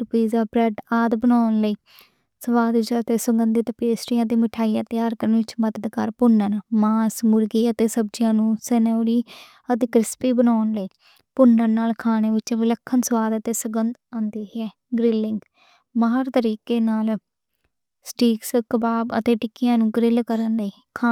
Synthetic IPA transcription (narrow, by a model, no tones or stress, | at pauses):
ʈʊpiːzaːbɾɛɖaːd̪bənaːnləiː | səʋaːd̪ɪt͡ʃət̪eːsʊɡənd̪iːt̪ːpeːsʈɪjãːd̪iːmɪʈʰaːiːãːt̪ɪjaːɾkəɾənʋɪt͡ʃməd̪əd̪kəɾpʊnːənmaːsmʊɾɡiːət̪eːsəb̚d͡ʒjãːnũːsɛnɛɾiː | ət̪eːkɾɪspiːbənaːnləiː | pʊnːənnaːlkʰaːneːʋɪt͡ʃʋɪləkʰːənsəʋaːd̪ət̪eːsəɡənd̪ãːnd̪iːɦɛː | ɡɾɪlːɪŋɡ | maɦəɾt̪əɾiːkeːnaːl | sʈiːkskəbaːbə̰t̪eːʈɪkːɪjãːnũːɡɾɪlkəɾənləiː | kʰaː